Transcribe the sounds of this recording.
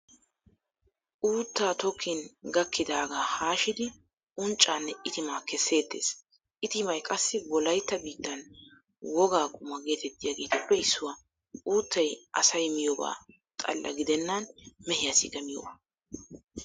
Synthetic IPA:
ʔuːt̪ːaːt̪ɔkʰːɪnɡɐkːɪd̪aːɡaːhaːʃɪd̪ɪ | ʔʊnt͡ʃʼːaːnːɛɪt̪ɪmaːkɛsːe̞ːt̪ːe̞̰ːs | ʔɪt̪ɪmɐjkʼɐsːɪwɔlɐjt̪ːɐbiːt̪ːɐn | wɔɡaːkʼʊmɐɡe̞ːt̪ɛt̪ːɪjaːɡeːt̪ɔpːɛɪsːʊwa | uːt̪ːɐjʔɐ̰sɐjmɪjɔba̰ː | t̪ʼɐ̰lːʔɐ̰ɡɪd̪ɛnːɐnmɛhɪjɐsɪ̰ɡɐmɪjɔ̰baː

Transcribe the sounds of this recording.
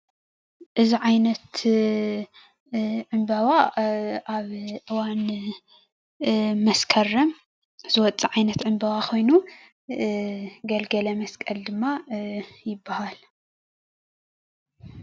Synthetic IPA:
ʔɨziʕajnɐt̪ | ʕɨmbɐβaʔaβʔɨwan | mɐskʰɐrːɐm | zɨwɔt͡sʼiʕajnɐt̪ʕɨmbɐβakʰo̞jnu | ɡɐlɡɐlɐmɐskʼɐld̪ɨmːajɪbːahal

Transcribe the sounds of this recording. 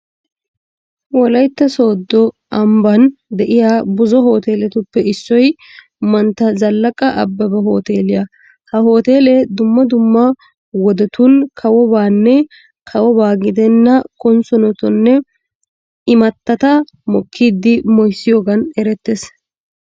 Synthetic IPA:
wɔlɐjt̪ːɐso̞ːd̪ːɔ | ʔɐmbɐnd̪ɛʔɪjaːbʊzɔho̞ːt̪e̞ːlɛt̪ʊpːɛɪsːɔj | mɐnt̪ːɐzɐlːɐkʼɐʔɐ̰bːɐbɐɦo̞ːt̪eːlɪjɐ | hɐɦo̞ːt̪eːlɛd̪ʊmːɐd̪ʊmːɐ | wɔd̪ɛt̪ʊnkʰɐwɔbaːnːɛ | kʰɐwɔβaːɡɪd̪ɛnːɐkɔnsɔnɔt̪ɔnːɛ | ɪmɐt̪ːɐt̪ɐ | mɔkʰːiːd̪ːɪmɔjsːɪjoːɡɐnɛɾɛt̪ːes

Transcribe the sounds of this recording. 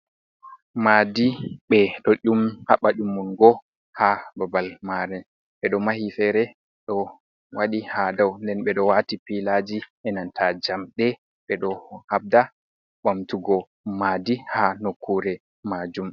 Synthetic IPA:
maːdiɓɛɗɔɗumhaɓaɗumːunɡɔ | hababalmaɾɛ | ɓɛɗɔmahifɛɾɛ | ɗɔ | waɗihadawndɛnɓɛɗɔwatipilad͡ʒiʔɛnantad͡ʒamɗɛ | ɓɛɗɔhab̚da | ɓamtuɡɔ | madihanokʰːuɾɛ | mad͡ʒum

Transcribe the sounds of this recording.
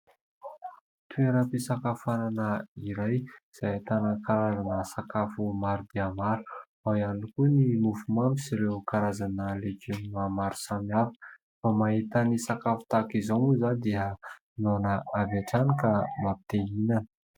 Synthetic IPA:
t̪ueɾapisakafananəiɾajiz̥ajt̪anakaɾazanəsakafumaɾud̪iamaɾu̥ | aianikunimufumampisiɾekaɾazanəleɡoniamaɾu̥samiaɾu | famaɦit̪anisakafu̥t̪akizoŋuzad̪iə | nonəavaʈ͡ʂanikamapi̥t̪einanə̥

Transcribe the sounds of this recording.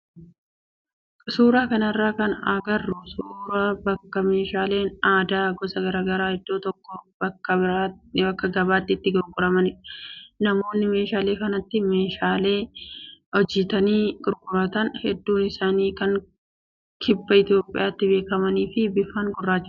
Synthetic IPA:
suːɾaːkɐnɐɪrːaːkɐnaːɡɐrːʊsuːɾaːbɐkːɐme̞ːʃaːle̞ːnaːd̪aːɡɔsɐɡɐɾaːɡɐɾaːhɛd̪̥ːo̞ːt̪ɔkːɔbɐkːɐɪɾabɐkːɐɡɐbaːt̪ːɪːt̪ːɪɡʊɾɡʊɾɐmɐnɪnɐmo̞ːnːɪme̞ːʃaːleːkɐnɐt̪ːɪme̞ːʃaːle̞ː | ɔd͡ʒɪt̪ɐniːɡ̥ʊɾɡʊɾɐt̪ɐnhɛd̪ːuːnɪsaːniːkɐŋ | kʰɪbːɐɪt̪jo̞ːpʼːɪ̰jaːt̪ːɪbe̞ːkɐmɐniːfɪbɪfːaːŋɡʊrːaːt͡ʃːɪ

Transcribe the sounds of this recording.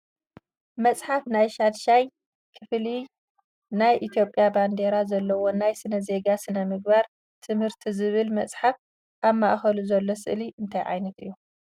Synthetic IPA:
mɐt͡sʼħafnajʃad̪ʃaj | kʰɨfli | najʔit̪ʰjo̞pʼːjaband̪e̞ɾazɐlːɐwonajsɨnɐze̞ɡasɨnɐmɨɡ̚baɾ | t̪ʰɨmhɨɾt̪ʰizɨβɨlmɐt͡sʼħaf | ʔaβmaʔxɐluzɐlːo̞sɨ̰ʔliʔɨnt̪ʰajʕa̰jnɐt̪ɨ̰jːu

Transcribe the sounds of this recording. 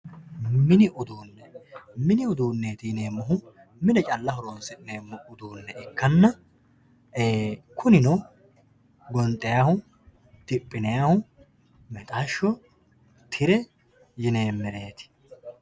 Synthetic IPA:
mɪnɪʔʊd̪uːnːɛmɪnɪʊd̪uːnːeːt̪ɪjɪneːmːɔɦʊ | mɪnɛt͡ʃʼɐlːɐɦɔɾoːnsɛɪneːmːʊʊd̪uːnːɛʔɪkːɐnːɐ | ʔeːkʰʊnɪnɔ | ɡɔnt̪ʼːɛjahʊ | t̪ɪpʼːɪnɛjaːhʊ | mɛt̪ʼaːʃːɔ | t̪ʰɪɾɛ | jɪneːmːɛɾe̞ːt̪ɪ̥

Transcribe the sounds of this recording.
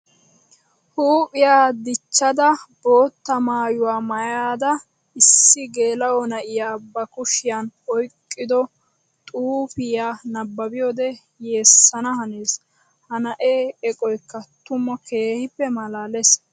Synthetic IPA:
huːpʼɪjaːd̪ɪt͡ʃːɐd̪ɐb̥o̞ːt̪ːɐmaːjʊwaːmɐjaːd̪ɐ | ɪsːɪɡe̞ːlɐwɔnɐʔɪjaːbɐkʊʃɪjanɔjkʼːɪd̪ɔ | t̪ʼuːfɪjaːnɐbːɐbɪjoːd̪ɛ | je̞ːsːɐnɐhɐneːs | hɐnɐʔeːɛkʼɔjkːɐt̪ʊmːɔke̞ːhɪpːɛmɐlaːlɛs

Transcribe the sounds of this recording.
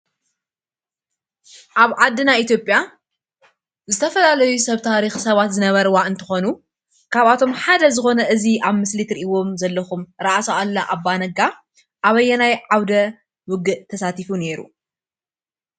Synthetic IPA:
ʔaβʕad̪ːɨnait̪ʰjo̞pʼja | zɨt̪ʰɐfɐlalɐjusɐβt̪ʰaɾixsɐβat̪zɨnɐβɐɾwaʔɨnt̪ʰɨxo̞nu | kʰaβat̪ʰo̞mħad̪ɐzɨxo̞nɐʔɨziʔaβmɨslit̪ɾiʔiwo̞mzɐlːɐxumɾɐʔasoalːɐʔabːanɐɡa | ʔaβɐjːɛnajʕawd̪ɐ | wʊɡɨʔt̪ʰɐsat̪ifune̞ɾṵ

